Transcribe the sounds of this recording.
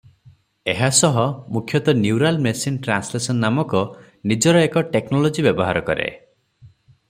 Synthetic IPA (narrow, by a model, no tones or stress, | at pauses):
eɦasɔɦɔmukʰjɔt̪ɔnjuwɾalmesinʈɾanslesɔnːamɔkɔ | nid͡ʒɔɾɔekɔʈeknɔlɔd͡ʒibjɔbɔɦaɾɔkɔ̰ɾḛ